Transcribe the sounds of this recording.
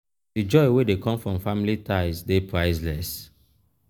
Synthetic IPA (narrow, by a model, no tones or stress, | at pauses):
did͡ʒɔɪwedekɔ̃mfɹɔ̃mfamilitʰaɪzdepʰɹaɪzlɛs